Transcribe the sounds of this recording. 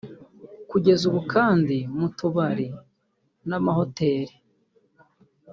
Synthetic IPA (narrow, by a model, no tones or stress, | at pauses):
kuɟe̞zuβukaːndimutuβaɾi | namaho̞te̞ɾi